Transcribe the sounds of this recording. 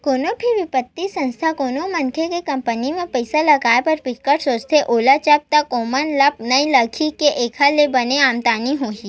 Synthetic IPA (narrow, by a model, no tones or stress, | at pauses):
koːnopʰɪʋɪpət̪ːisɐ̃nst̪ʰakoːnomɐ̃nkʰekekɐ̃mpənimẽpɐɪsalɐɡaːepɐɾpɪkːəʈsoːt͡ʃt̪ʰeʔoːlat͡ʃəp̚t̪ɐkoːmənlɐp̚nɐĩlɐkʰikeʔeːkʰalebɐneaːmt̪aːniɦoːɦiː